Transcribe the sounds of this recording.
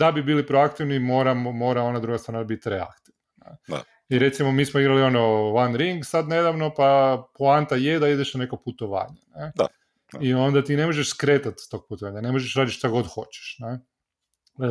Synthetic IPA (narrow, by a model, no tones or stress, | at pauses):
d̪̥abibiːlipɾoakt̪iʋnimo̞ːɾamomo̞ɾao̞nad̪ɾuɡast̪ɾanabit̪ɾea̰kt̪iʋnanḛ | iɾe̞t̪simomiːsmoiɡɾalio̞noʋanɾiŋɡsad̪ne̞d̪aʋno̞paplant̪ajed̪aid̪eʃnane̞koput̪oʋa̰ːɲane | io̞nd̪at̪ine̞moʒeʃskɾe̞ːt̪at̪st̪o̞ɡ̚put̪oʋaːɲane̞moʒeʃɾaːd̪it̪ʃt̪aɡo̞d̪xo̞t͡ɕe̥ʃne